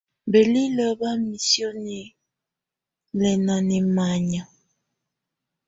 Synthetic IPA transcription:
be˨li˦lɔ˦ba˦mi˨sjo˦ne˨ | lɛ˨nɔ˨ne˨ma˨ɲa˨

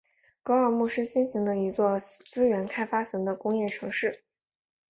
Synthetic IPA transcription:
kɑ˥ʊə˞˧mu˥˩ʂɻ̩˥ɕi˥nɕi˧˥ŋd̪ə˧i˧˥t͡swɔ˥˩t͡sɹ̩˥ɥɛ˧˥nkʰa˥ɪfa˥ɕi˧˥ŋd̪ə˧kʊ˥ŋjɛ˥˩ʈ͡ʂʰɤ˧˥ŋʂɻ̩˥˩

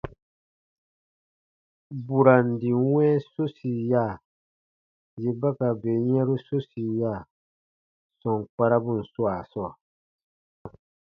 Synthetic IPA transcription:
bu˨ɾa˨n˨di˨˦wɛ̃˦so˦si˨ja˦˨ | je˨ba˦ka˨be˨jɛ̃˦ɾu˦so˦si˨ja˦˨ | sɔ̃˨ŋ˨k͡pa˦ɾa˦bu˦n̩˨su˦a˨sɔ˦˨

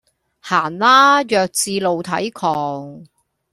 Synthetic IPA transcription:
haː˨˩nlaː˥jœː˨k̚t͡siː˧lo˨wt̪ʰɐ˨˥jkʰɔː˨˩ŋ

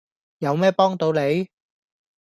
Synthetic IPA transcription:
jɐ˨˧wmɛː˥pɔː˥ŋt̪o˨˧wle˨˧j

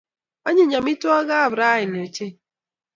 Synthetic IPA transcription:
a˦ɲe˦˨ɲa˨mi˦tʊ˦ɔ˦ɣa˦a˦˨bɾa˦ɦɪ˨n˨e˨t͡ʃe˦

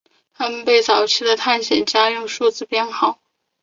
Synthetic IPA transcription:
t̪ʰa˥mə˨npe˥˩ɪt͡sɑ˨˩ʊt͡ɕʰi˥d̪ə˨t̪ʰa˥˩nɕjɛ˨˩nt͡ɕja˥jʊ˥˧ŋʂu˥˧t͡sɹ̩˥˩pjɛ˥nxɑ˨˩˦ʊ

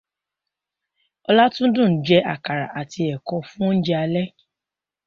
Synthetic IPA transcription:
ɔ˧la˦tũ˦dũ˦˨d͡ʒɛ˧a̰˦˨ka˨ɾa˨ʔa˨ti˧ɛ˨kɔ˧fũ˦n̩˦d͡ʒɛ˦a˧lɛ˦

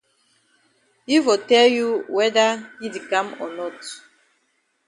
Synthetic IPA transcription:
i˦fo˨tɛ˦lju˦wɛ˦da˦hi˦di˨kã˦mɔ̰˨nɔ˦˨t

